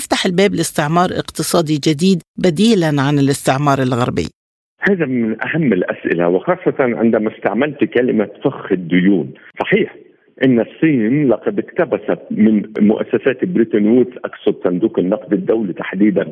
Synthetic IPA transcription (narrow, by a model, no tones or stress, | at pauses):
ɪft̪aħɪlbeːblɪst̪ɪʕmɑːɾˤʔɪ̰qt̪ɨsˤɑːd̪id͡ʒɪd̪iːd̪bad̪iːlanʕanɪlɪst̪ɪʕmɑːɾˤɪlɣɑ̰ɾˤbḭː | haːðamɪnʔahamːɪlʔa̰sʔɪ̰la̰wɪxɑːsˤːɑt̪ɑnʕɪ̰nd̪æmast̪aʕmalt̪kalɪmafaxxɪd̪ːʊjuːnsˤɑħiːħ | ʔɪnːɪsˤːiːnlɑqɑd̪ɪkt̪abasamɪnmʊʔa̰sːasaːt̪bɾit̪ɑnwizʔɑksɑd̪sand̪uːqɪnːɑqd̪ɪd̪ːawlit̪aħd̪iːd̪an